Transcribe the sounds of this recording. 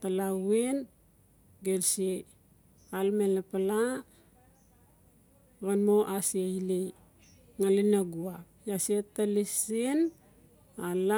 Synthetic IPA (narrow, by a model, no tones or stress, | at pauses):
talawen | ɡelse | almelapala | ɡanmoʔasieile | ŋalinaɡuapjasietalisen | ala